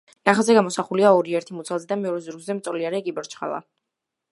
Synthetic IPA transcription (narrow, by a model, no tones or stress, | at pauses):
naχazɛɡamɔsaχuliaɔɾiɛɾt̪ʰimut̪sʰalˠzɛd̪amɛɔɾɛzuɾɡzɛmt̪sʼɔliaɾɛkʼibɔɾt͡ʃχa̰lˠa̰